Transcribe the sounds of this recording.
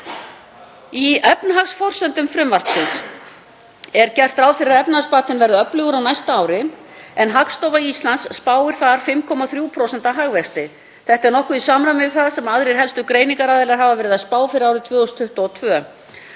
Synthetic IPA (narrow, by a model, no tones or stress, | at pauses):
iœpnɦaɣsfɔr̥sɛnt̪ʏmfɾʏmvar̥ksɪns | ɛɾ̥cɛr̥t̪ɾaːwfɪɾɪɾœp̚nhaspaːt̪ɪnvɛɾðʏœplʏɣʏɾawnajst̪aaːwɾɪ | ɛnɦakst̪owvaist̪lansːpaːwɪɾ̥θaɾ̥fɪmkʰɔmaθɾjupʰɾoːsɛnt̪aɦaɣvɛst̪ɪ | θɛht̪ɛɾnɔhkʏisaːmɾamɪθaðsɛmaðɾijɦɛlst̪ʏkɾeːjniŋkaɾaðɪlaɾɦaːvavɛːɾɪðaðspaːwfɪɾɪɾawɾɪt̪ʰvœːɔst̪ʰːʏht̪ɔt̪ʰvœː